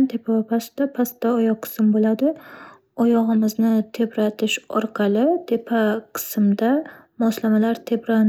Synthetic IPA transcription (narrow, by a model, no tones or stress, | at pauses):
nt̪ʰe̞pʰawapʰast̪apʰast̪ːaɒjɒq̚qʰːɨ̥sɪmbolad̪ɪ | ɒjɒʁɨmɪznɪt̪ʰebɾat̪ʰɪʃɒɾqʰɑlˠɪt̪ʰe̞pʰaqʰɨ̥sɪmd̪amɒslamalaɾt̪ʰebɾan